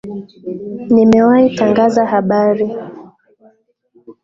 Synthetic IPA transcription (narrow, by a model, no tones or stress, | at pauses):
nimɛwaitaŋɡazahaɓaɾi